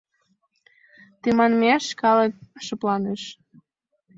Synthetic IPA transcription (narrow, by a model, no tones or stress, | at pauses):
t̪imɑnmeʃkɑlək̚ʃə̆plɑneʃ